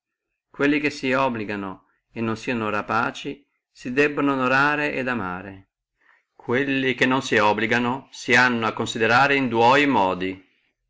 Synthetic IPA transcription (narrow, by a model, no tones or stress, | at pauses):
kwelːikesiɔbːliɡano | enːonsiːanoɾapaːt͡ʃi | sid̪ɛbːonoːnoɾaːɾeʔed̪ama̰ːɾe | kʰwelːikenːonsiɔbliɡanosianːoakːonsid̪eɾaːɾeind̪wɔjmɔːd̪i